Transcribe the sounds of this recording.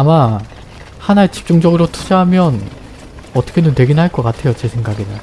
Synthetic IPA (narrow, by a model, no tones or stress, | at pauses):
ama | hanaet͡ɕi̥p̚t͡ɕ͈uŋd͡ʑʌɡɯɾotʰud͡ʑʌɦamjʌn | ʌt͈ʌkʰenunte̞ɡinɦaɭk͈ʌk͈atʰe̞jot͡ɕe̞sʰeŋɡaɡinɯ